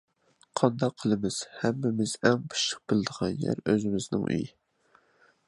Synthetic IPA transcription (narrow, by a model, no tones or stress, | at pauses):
qʰɑnd̪ɑqʰːəlˠɨmɪz̥hæmːɪmɪz̥ɛŋbu̥ʃəq̚b̥ɪlɪd̪əʁɑnjæ̰ɾøzɪmɪznɪ̰ŋʔy̰jɪ